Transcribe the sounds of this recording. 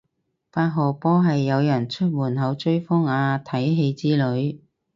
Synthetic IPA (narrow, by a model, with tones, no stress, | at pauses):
faː˧t̚ɦɔː˨pɔː˥ɦɐ˨jːɐ˨˧wjɐ˨˩nt͡ʃʰɵ˥t̚wuː˨˩nɦɐ˨˧wt͡ʃɵ˥ɥfɔ˥ŋaː˧t̪ʰɐ˨˥jɦe˧jt͡siː˥lɵ˨˥ɥ